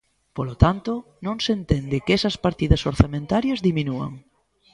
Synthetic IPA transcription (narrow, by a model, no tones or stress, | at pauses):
polot̪ant̪ʊ | nõŋsent̪end̪ɪkɛsɐspaɾt̪iðɐsoɾθamẽnt̪aɾjɐzðiminuɐ̰ŋ